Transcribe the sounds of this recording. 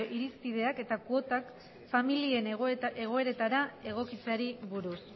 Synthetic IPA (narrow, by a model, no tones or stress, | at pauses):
ʔiɾispið̞e̞ake̞t̪akuo̞t̪ak | familie̞ne̞ɣ̞o̞e̞ɾe̞t̪aɾae̞ɣ̞o̞kit͡saɾiβuɾus